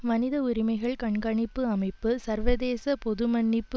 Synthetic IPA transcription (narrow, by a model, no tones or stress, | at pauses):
mɐnɪðɐʊɾɪmɐɪɣɐɭkɐɳɡɐɳɪpːɯɐmɐɪpːɯsɐɾʋɐðeːsɐpɔðɯmɐnːɪpː